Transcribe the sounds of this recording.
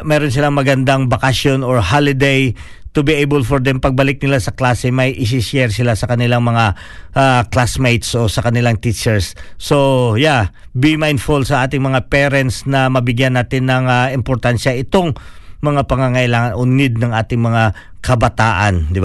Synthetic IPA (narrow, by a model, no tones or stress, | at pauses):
mɛːɾons̬ɪlaŋmɐɡɐnd̪aŋbɐkɐsjonoɹhalɪd̪ej | t̪ʊbiʔejbɛlfoɹd̪ɛmpɐɡ̚bɐlɪk̚nɪlasɐklaːsɛmɐjʔɪs̬ɪʃɛɾsɪlasɐkɐnɪlaŋmɐŋa | ʔaklasmejt̪sʔo̞sɐkɐnɪlaŋt̪it͡ʃɛɹsːoja | bimajnfʊlsɐʔaːt̪ɪŋmɐŋapɛɾɛnt̪snɐmɐbɪɡjanːaːt̪ɪnːɐŋaɪmpoɾt̪anʃɐʔɪt̪o̞ŋmɐŋapɐŋaŋɐʔɪlaːŋɐnʔonɪd̪̚nɐŋʔaːt̪ɪŋmɐŋakɐbɐt̪aːʔɐ̰nd̪ɪba